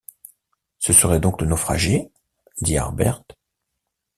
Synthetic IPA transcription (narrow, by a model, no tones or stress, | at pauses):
səsəʁɛd̪ɔ̃klənofχa̰ʒe | d̪ia̰ʁbɛ̰ʁt̪